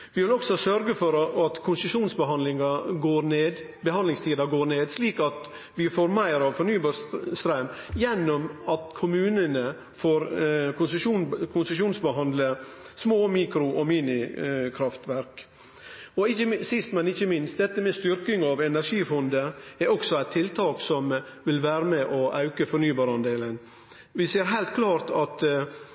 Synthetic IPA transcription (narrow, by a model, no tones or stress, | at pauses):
ʋɪʋɪlɔksɔsœɾɡəfɔɾɑt̪kʰʊnsəʂuːnsbəɦɑnd̪lɪŋɑɡoːɾneːd̪ | bəhɑnd̪lɪŋst̪ʰiːd̪ɑɡoːɾneːd̪sliːkɑt̪ | ʋɪfoːɾmæɪɾɑʋfɔɾɳnyːbɑst̪ɾœm | jɛnːɔmɑt̪kʰʊmʉːnənə | foːɾkʊnsəʂuːnkʰʊnsəʂuːnsbəɦɑnd̪lə | smoːmiːkɾʊʔɔmiːnɪkʰɾɑft̪ʋæɾk | ɔɪçəsɪst̪mɛnɪçəmɪnst̪d̪ɛt̪ːəmɛst̪ʏɾkɪŋɑʋɛnæɾʂiːfɔnd̪əɛɾɔksɔæɪt̪ʰːɪlt̪ʰɑːksɔmʋɪlʋæːɾəmɛʔɔʔɑʉkəfɔɾnyːbɑːɾɑnd̪eːlən | ʋɪseːɾɦæɪlt̪̚kʰlɑːɾt̪ɑt̪